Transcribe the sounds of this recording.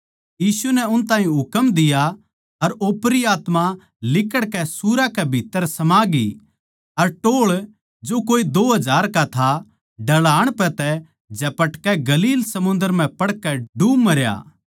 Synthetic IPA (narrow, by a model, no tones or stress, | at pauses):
jiːsunɛʊnt̪ãːĩɦʊkəmd̪ɪja | ɐɾoːpɾiaːt̪ma | lɪkəɽkɛsuːɾakɛbʱiːt̪ːəɾsɐmaːɡḭ | ɐɾʈoːɭ | d͡ʒoːkoːid̪oːɦɐd͡ʒʱaːɾkat̪ʰa | ɖɐɭaːɽ̃pɛ̃t̪ɛ | d͡ʒɛpɐʈkɛɡɐliːlsɐmʊ̃nd̪əɾm̤ɛ̃pɐɽkɛɖumɐɾja̰ː